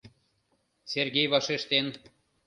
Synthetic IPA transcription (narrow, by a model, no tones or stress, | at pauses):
sʲerɡʲejvɑʃeʃt̪en